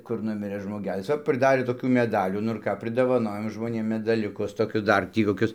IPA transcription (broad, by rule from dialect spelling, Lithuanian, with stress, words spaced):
kʊr ˈnʊmʲɪrɘ ʒmoːˈɡʲæːlʲɪs ˈʋɐ pʲrʲɪˈdɑːrʲeː toːˈkʲuː mʲɛˈdɑːlʲuː nʊ ɪr ˈkɑː pʲrʲɪdoːʋɐˈnoːjoːm ʒmoːˈnʲeːm mʲɛdɐˈlʲʊkʊs toːˈkʲʊs ˈdɐr ˈtʲiː koːˈkʲʊs